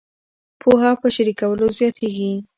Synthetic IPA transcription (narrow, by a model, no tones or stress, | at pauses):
pʰoɦapəʃaɾikawəlozjɑt̪ʰeɡi